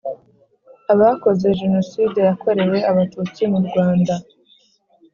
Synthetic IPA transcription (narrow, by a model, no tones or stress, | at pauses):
aβako̞ze̞ʒe̞no̞siːdejako̞ɾe̞we̞aβatuːt͡simuɾɡwaːnda